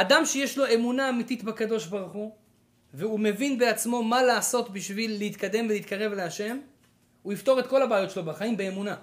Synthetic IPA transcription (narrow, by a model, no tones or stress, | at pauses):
adamʃe̞jeʃlo̞emunaːmitit̪bakado̞ʃbaʁuχu | veume̞vinbe̞at͡smo̞malaːso̞t̪biʃvilːeit̪kad̪e̞mveliit̪kaʁe̞vleaʃe̞m | uift̪o̞ʁe̞t̪ko̞labeːjo̞tʃelobaχaimbeːmuna